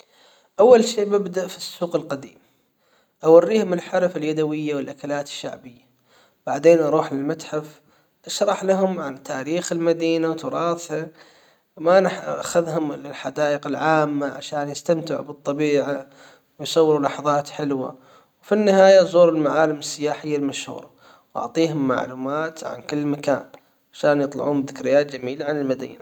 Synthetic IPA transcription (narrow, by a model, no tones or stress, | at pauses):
ʔawːalʃeːʔbɪbd̪aʔfisːuːqɪlqad̪ḭːm | ʔawarːiːhʊmɪlħaɾfaljad̪awɪjːawɪlʔakalaːt̪ɪ̥ʃːa̰ʕbɪjːa | b̥aʕd̪eːnʔɑɾˤuːħlɪlmat̪ħaf | ʔaʃɾˤɑħlaɦʊmʕant̪ʰaːɾiːxɪlmad̪iːnawt̪ʊɾˤɑːθha | manaħʔaxaðɦʊmlħad̪aːʔɪqɪlʕaːmːaʕa̰ʃaːnjɪst̪amt̪ɪʕṵbɨt̪ˤːɑbiːʕa | wjsˤɑwːɪɾulɑħɑðˤɑːt̪ħɪlwa̰ | wfinːɪhaːjazˤuːɾɪlmaʕaːlɪmɪsːɪjaːħɪjːalmaʃhṵːɾˤɑ | wʔɑ̰ʕt̪ˤiːɦʊmːa̰ʕluːmaːt̪ʕa̰nkɪlːmaka̰ːn | ʕaʃaːnjɨt̪ˤlɑ̰ʕuːmbðɪkɾɪjːaːt̪̚d͡ʒamiːlaʕanɪlmad̪ḭːna